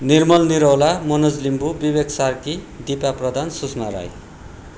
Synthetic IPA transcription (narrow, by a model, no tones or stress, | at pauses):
nirmʌlniɾʌwlamʌnʌd͡zlimbubibeksarki | d̪ipaprʌd̪ʱansusmaɾa̰j